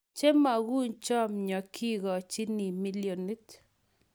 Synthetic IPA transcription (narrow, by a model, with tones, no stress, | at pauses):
t͡ʃe˦ma˨ɡu˦ɲt͡ʃɔ˦mɲɔ˨kʰi˦ɡɔ˨t͡ʃi˦ni˨mi˦ljo˨ni˦t